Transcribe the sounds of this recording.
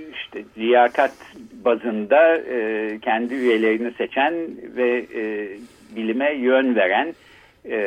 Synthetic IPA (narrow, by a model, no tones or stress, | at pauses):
iʃt̪ʰɛzijaːkʰat̪bazɯnd̪a | cʰænd̪iyje̞lʲe̞ɾiniset͡ʃʰænvɛ | bilʲimɛjønveɾæn